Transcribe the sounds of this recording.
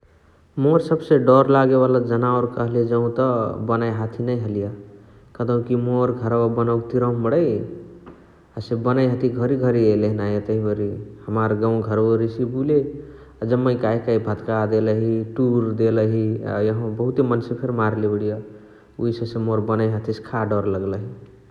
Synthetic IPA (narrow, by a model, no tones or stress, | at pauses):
moɾsəbseɖɔɾlaɡebaləd͡ʒənaoɾkəɦled͡ʒəũt̪ʌbənajɦat̪ʰinəjɦəlijə | kəd̪əw̃kimoɾɡʱəɾaabənawkt̪iɾə̃məɽəj | asebənajɦət̪ʰiɡʱəɾiɡʱəɾieləɦinajet̪əɦibəɾihəmaɾɡaw̃ɡʱəɾoɾisibule | ad͡ʒəmːəjkajkaibʱət̪kad̪eləɦiʈuɾd̪eləɦia̰jʌɦbəɦut̪emənsepʰeɾmaɾlebəɽijʌ | uisẽsẽmoɾbənajɦat̪ʰiskʰaɖɔɾləɡləɦi